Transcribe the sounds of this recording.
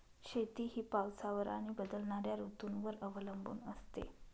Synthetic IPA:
ɕet̪iːɦiːpawt͡saʋəɾa̰ɽ̃ibəd̪əlɳaɾjaɾut̪unʋəɾəʋləmbṵːnəst̪ḛ

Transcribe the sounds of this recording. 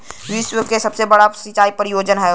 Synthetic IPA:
ʋiswəkesɐbsebɐɽasit͡ʃaːipəɾɪjoːd͡ʒənɦɛ

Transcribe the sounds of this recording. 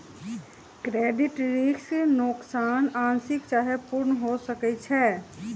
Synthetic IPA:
kɾeːɖɪʈɾiksnoksaːnaːnsɪkt͡ʃaːɦepʊɾnɦosəkɛt͡ʃʰɛː

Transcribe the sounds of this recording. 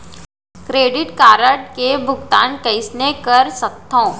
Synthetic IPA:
kɾeːɖɪʈkaːɾəɖkebʱʊɡt̪a̰ːnkɐɪsnekɐɾsɐk̚t̪ʰõː

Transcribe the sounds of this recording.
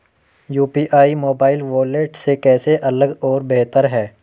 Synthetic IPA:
juːpiːʔaːimoːbaːɪlʋoːleːʈsekɛːseʔɐləɡɔːɾbeɦt̪əɾɦɛː

